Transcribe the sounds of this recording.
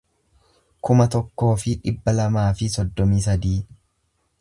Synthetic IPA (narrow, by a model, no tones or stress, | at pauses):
kʊmɐt̪ɔkːo̞ːfɪᶑɪbːɐlɐmaːfɪsɔd̪ːɔmiːsɐd̪iː